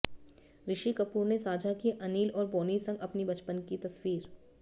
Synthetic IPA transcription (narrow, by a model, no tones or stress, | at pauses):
ɾɪʃikɐpuːɾnesaːd͡ʒʱakiʔɐniːlɔːɾboːnisɐ̃ŋɡɐpnibɐt͡ʃpənkit̪ɐswiːɾ